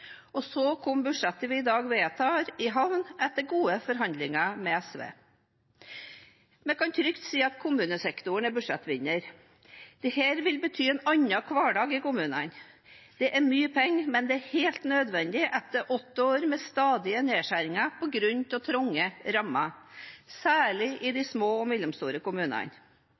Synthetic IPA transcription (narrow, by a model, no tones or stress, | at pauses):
ɔsɔkʰɔmbʉʂɛt̪ːəɾʋɪɪd̪ɑːɡʋeːt̪ʰɑːɾɪɦɑʋnɛt̪ːəɡuːəfɔɾɦɑnd̪lɪŋɑmɛɛsʋḛː | mɛkʰɑnt̪ʰɾʏkt̪siːɑt̪kʰʊmʉːnəsɛkt̪ʊəɳɛbʉʂɛt̪ːʋɪɲːəɾ | d̪̥ɛheːɾʋɪlbət̪ʰyːɛnɑɲːɑkʰʋɑːɖɑːɡɪkʊmʉːnən | d̪̥ɛʔæmyːəpʰɛŋːmɛnd̪ɛæheːlt̪nød̪ʋɛnd̪ɪʔɛt̪ːəɾʔɔt̪ːəoːɾmɛst̪ɑːd̪ɪəneːʂæɾɪŋɑpʰɔɡɾʉnt̪ɔt̪ʰɾʊŋːəɾɑmɑsæːɭɪʔɪd̪æɪsmoːɔmɛlːəmst̪uːɾəkʊmʉːnɑ̰n